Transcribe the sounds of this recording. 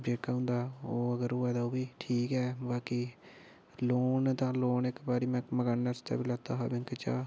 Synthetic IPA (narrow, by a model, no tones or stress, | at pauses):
d͡ʒeːkaːɦʊ̃nd̪aːoːəɡəɾʊːɛːd̪aːoːbiːʈʰiːkɛːbaːkiː | loːnt̪ãːloːnɪkbaːɾiːmɛ̃ːkməɡaːnːəst̪a̰ːbiːlət̪aːɦa̰ːbɪ̃ŋkt͡ʃa̰ː